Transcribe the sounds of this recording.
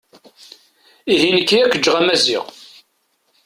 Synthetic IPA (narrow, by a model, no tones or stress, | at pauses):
iɦinəkːiækʷːəd͡ʒːʁæmæzḭʁ